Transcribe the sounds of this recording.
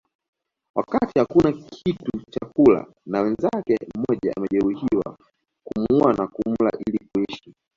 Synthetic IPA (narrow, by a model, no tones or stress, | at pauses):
wakatihakunakʰitut͡ʃakula̰ | nawɛnzakɛmɔʄaa̰mɛʄɛɾuhiwa̰ | kumuanakum̩la̰ʔilikuɛʃi